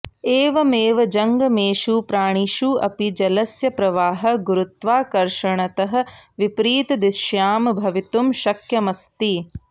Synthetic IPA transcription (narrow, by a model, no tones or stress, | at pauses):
eːʋɐmeːʋɐd͡ʒɐŋɡɐmeːʃupɾaːɳ̃iʃuːʔɐ̰pid͡ʒɐlɐsjɐpɾɐʋaːɦɐ̆ɡuɾut̪ʋaːkɐɾʃɐɳɐt̪ɐɦɐ̆ʋipɾiːt̪ɐd̪iʃjaːmbʱɐʋit̪umʃɐkjɐmɐst̪i